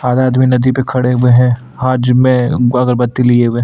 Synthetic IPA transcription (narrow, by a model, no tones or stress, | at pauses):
aːd̪aːd̪minɐd̪ipekʰɐɽeʊweɦɛ̃ | ɦaːd͡ʒmẽɐɡəɾbɐt̪ːilieʊwẽ